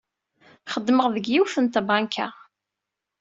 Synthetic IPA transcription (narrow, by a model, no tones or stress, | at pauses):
χəd̪ːməʁðəɡjiwθənt̪bɑŋkʰa̰